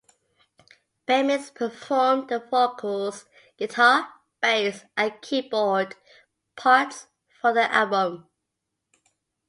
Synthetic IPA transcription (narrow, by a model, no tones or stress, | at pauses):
b̥ɛmɪspʰəfɔmðəfokʰɔlz | ɡ̥ɪtʰɑː | b̥eɪsəkʰiːbɔd̥ | pʰɑɹts | fəðiʔa̰lˠbə̃m